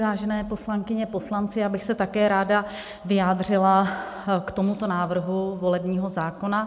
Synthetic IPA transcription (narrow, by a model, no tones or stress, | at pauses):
vaːʒɛnɛːpo̞slaŋkɪɲɛpo̞slant͡sɪabɪxsɛt̪akɛːɾaːda | vɪjaːd̪r̝ɪla | kt̪o̞mut̪o̞naːvr̩ɦuvo̞lɛbɲiːɦo̞zaːko̞na